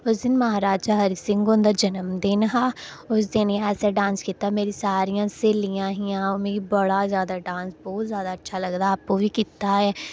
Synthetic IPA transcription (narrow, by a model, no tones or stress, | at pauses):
ʊsd̪ɪnmɐɦaːɾaːd͡ʒaɦɐɾisɪ̃ŋɡõnd̪ad͡ʒənəmd̪ɪnɦaː | ʊs̬d̪ɪnɛːsaɖãːnskiːt̪ameːɾisaːɾijãːseːlijãːɦijãːʊmẽɡibəɽazjaːd̪aɖãːnsbɔːt̪zjaːd̪aətːʃʰaləɡd̪aːp̚kobikiːt̪aɦɛː